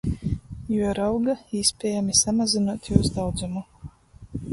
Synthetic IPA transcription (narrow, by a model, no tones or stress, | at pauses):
juɔɾawɡaiːspʲɛːjamisamazinuɔt̪juːsd̪awd̪zumu